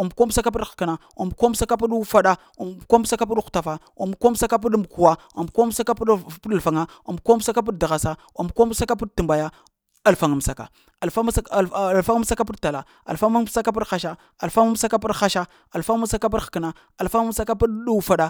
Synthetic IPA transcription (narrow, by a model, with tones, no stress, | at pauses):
a˨m˨ko˦sa˦ka˦p̬i˦d̥kə˨na˨ | a˨m˨ko˦m˦sa˦ka˦p̬u˦ɗfa˦ɗa˦ | a˨ko˦m˦sa˦ka˦p̬u˦ɗxu̥˨ta˨fa˦ | a˨m˨ko˦m˦sa˦ka˦p̬u˦ɗm˨ku˨wa˦ | a˨m˨ko˦m˦sa˦ka˦ppu˦a˨lfa˨ŋa˦ | a˨m˨ko˦m˦sa˦ka˦p̬i˦dda˨ɣa˨sa˦ | a̰˨m˨ko˦m˦sa˦ka˦pi˦ɗtə˨mba˨ja˦ | a˨lfa˨ŋu˨m˨sa˨ka˨ | fa˦˨fa˦ŋ˦m˦sa˦ka˦pi˦dta˨la˨ | a̰˨lfa˦m˦sa˦ka˦p̬i˦dxa˦ʃa˦ | a˨lfa˦ŋ˦m˦sa˦ka˦p̬i˦ɗxa˦ʃa˦ | a˨lfa˦ŋ˦sa˦ka˦pi˦dxkna˦ | a˨lfa˦ŋ˦msa˦ka˦pu˦ɗu˦fa˦ɗa˦